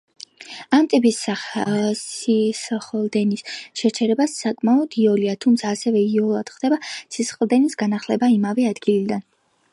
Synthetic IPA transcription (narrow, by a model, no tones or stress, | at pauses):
amt̪ʼipʼis | sisχlˠd̪ɛnisʃɛt͡ʃʰɛɾɛbasːakʼmaɔd̪̥iɔliat̪ʰumt̪sʰaːsɛvɛiɔlˠad̪̥χd̪̥ɛbasisχlˠd̪ɛnisɡanaχlɛbaimavɛad̪ɡilid̪an